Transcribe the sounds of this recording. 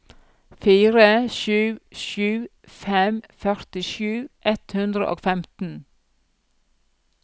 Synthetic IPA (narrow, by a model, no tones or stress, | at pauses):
fiːɾəʃʉːʃʉː | fɛmfœɾt̪ɪʃʉːʔɛt̪hʉnd̪ɾə̰ʔo̰ːfɛmt̪n̩